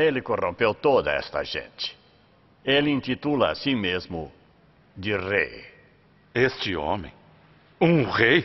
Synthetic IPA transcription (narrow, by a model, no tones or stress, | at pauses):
elɪkorõmpewt̪od̪ɐɛ̰st̪ɐ̰ʒḛ̃nt͡ʃ̪ɪ̥ | elĩnt̪it̪ulɐa̰sĩmezmʊ | d̪ɪrḛj | est͡ʃɪõ̰mḛ̃j̃ | ũʁej